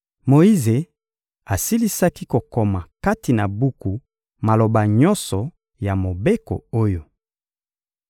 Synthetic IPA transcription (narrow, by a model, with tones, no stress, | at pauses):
mo˨i˦ze˨ | a˨si˦li˦sa˦ki˦ko˨ko˨ma˨ka˦ti˨na˨bu˦ku˨ | ma˨lo˨ba˨ɲɔ˦nsɔ˨ | ja˨mo˨be˦ko̰˨o˦jo˦